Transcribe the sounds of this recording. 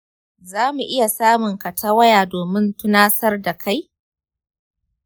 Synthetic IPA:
zaː˦mu˨ʔɪ˦ja˨saː˦mʊ˨ŋkɐ˨tʰaː˦wɐ˦jaː˨doː˨mɪ˦ntʊ˦naː˦sɐ˦rda˨kʰa˦j

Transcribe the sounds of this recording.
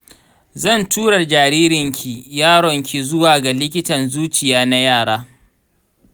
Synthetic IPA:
zɐ˦˨ntʰuː˦ɽɐ˨rd͡ʒaː˨ɾiː˦ɾɪ˨ŋkʲʰi˨jaː˦ɽɔ˨ŋkʲi˨zʊ˦waː˨ɡa˨lɪ˦kʲɪ˦tɐ˨nzuː˦t͡ʃɪ˨jaː˦na˦jaː˦˨ɽaː˦

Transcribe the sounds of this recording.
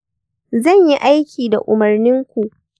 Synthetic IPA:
zɐ˦˨ɲji˦ʔa˦jkʲiː˨da˨ʔʊ˨mɐ˨rnɪ˦ŋkʷu˨ʔ

